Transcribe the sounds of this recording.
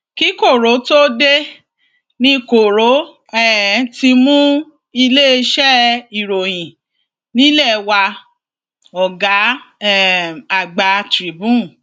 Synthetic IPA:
ki˨˦ko˦˨ɾo˨˦to˦de˦ | nĩ˧ko˨ɾo˨˦ | ɛ˦˨ti˧mũ˦ | i˧le˦˧ʃɛ˦i˨ɾo˨j̃ĩ˨ | nĩ˦lɛ˦˨wa˧ | ɔ˨ɡa˨˦ | a˨ɡ͡ba˨˦tɾi˨˦bũ˦˨

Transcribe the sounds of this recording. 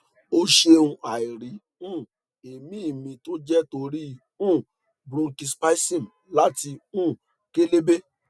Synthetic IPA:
o˦ʃe˧˦ũ˧ʔa˨i˨ɾi˨ | ũ˦˨ | e˨mĩ˨˦i˦˨mĩ˧to˦d͡ʒɛ˦to˧ɾi˦ | ũ˦˨ | bɾõ˧ki˧spa˦i˦sĩ˦˨m̩˨ | la˨˦ti˧ũ˦˨ | ke˦le˦be˦

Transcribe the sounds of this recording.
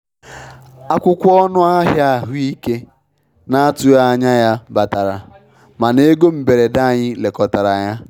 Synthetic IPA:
a˦kʷʊ˦kʷɔ˦nʊ˦a˦ɦja˦˨ɦʊ˦i˦ke˦ | na˦a˦tʊ˦a˦a˨ɲa˦ja˦ba˨ta˨ɾa̰˨ | ma˨ne˦ɡo˦m̩˨be˨ɾe˨da˦˨ɲɪ˦le˨kɔ˨ta˨ɾa˨ɲa˦

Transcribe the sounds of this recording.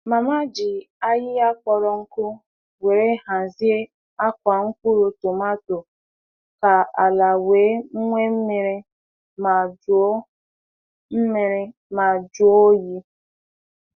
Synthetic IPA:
ma˨ma˦d͡ʒi˨ | a˦jɪ˦a˦k͡pɔ˨ɾɔ˦ŋ̩˦kʊ˦ | we˨ɾe˦ɦa˨zi˦e˦ | a˦kʷa˨ŋ̩˦kʷu˦ɾu˨tʊ˨ma˦to˨ | ka˨a˨la˨weː˨˦ŋ̩˦ŋʷe˦m̩˦mi˨˦ɾi˦ | ma˨d͡ʒ | m̩˦me˨ɾɪ˦ | ma˨d͡ʒu˦o˦ji˦

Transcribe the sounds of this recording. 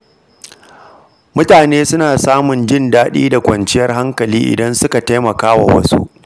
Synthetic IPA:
mʊ˦taː˨neː˦sʊ˦naː˨saː˦mʊ˨nd͡ʒɪ˦˨ndaː˦ɗḭː˦da˨kʷɐ˨nt͡ʃɪ˦jɐ˦rɦa˦ŋkɐ˨liː˦ʔɪ̰˨dɐ˦nsʊ˦ka˨ta˦jmɐ˨kaː˦wa̰˨wɐ̰˦sṵ˦ʔ

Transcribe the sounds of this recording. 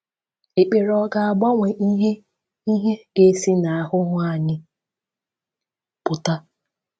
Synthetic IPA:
e˨k͡pe˨ɾɔ˦ɡa˨a˨ɡ͡ba˦ŋʷe˨ʔi˦ɦe˦ | i˦ɦe˦ɡe˦si˦na˨a˨ɦʊ˦ŋʷa˦˨ɲɪ˦ | pʊ˨ta˦

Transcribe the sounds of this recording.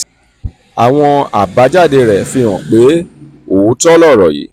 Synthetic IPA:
a˨w̃ɔ̃˧a˨ba˨˦d͡ʒa˦˨de˧ɾɛ˨fi˧ɔ̃˨k͡pe˨˦ | o˨˦tɔ˦lɔ˦˨ɾɔ˨jḭ˨˦

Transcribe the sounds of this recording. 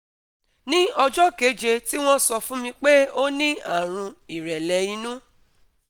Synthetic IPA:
nĩ˦ɔ˧d͡ʒɔ˦ke˨˦d͡ʒe˧ti˦w̃ɔ̃˦sɔ˧fũ˦mĩ˧k͡pe˦o˦nĩ˦a˦˨ɾ̃ũ˧i˨ɾɛ˨lɛ˨i˧nũ˦

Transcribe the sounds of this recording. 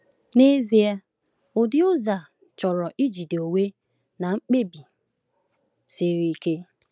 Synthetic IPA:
ne˦zi˦a˦ | ʊ˨dɪ˦ʊ˦za˨ | t͡ʃɔ˨ɾɔ˨ʔi˦d͡ʒi˨de˨o˨we˦ | na˨ŋ͡m̩˦k͡pe˦bi˨ | se˨ɾi˨˦ke˦

